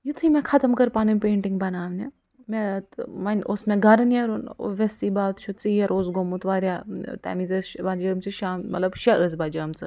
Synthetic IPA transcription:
jit̪ʰimẽkʰɐt̪ɐmkɐɾpaːnumpeːɳʈiŋɡbɐnaːʋne | mẽmɐnosmẽɡʱɐɾnjɐɾon̰ʋesiːbaːt̪t͡ʃʰut͡siːjɐɾozɡomut̪ʋaːɾjat̪ɛ̰ːmizesbad͡ʒɐːmt͡sɨʃaːmmɐ̰lɐbʃɐʔəz̬bad͡ʒɐːmt͡sɨ

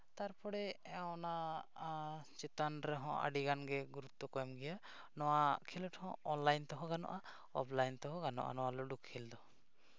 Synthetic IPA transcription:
t̪aɾpɔɽɛɔna | t͡ʃɛt̪anɾɛɦɔ̃ʔa̰ɖiɡanɡɛɡuɾut̪ːɔkɔjmɡɛja | nɔwakʰilɔʈʰhɔ̰̃ɔnlajnt̪ɔɦɔ̃ɡanɔ̰ʔa | ɔ̰plajnt̪ɔɦɔ̃ɡanɔ̰ʔa̰nɔwalɔɖukkʰild̪ɔ

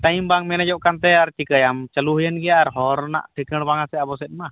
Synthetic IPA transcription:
ʈajmbaŋmɛnad͡ʒɔʔkant̪ɛaɾt͡ʃikəjamt͡ʃəluɦəjənɡɛjaʔaɾɦɔɾna̰ʔʈʰikəɽbaŋasɛabɔsɛt̪̚ma

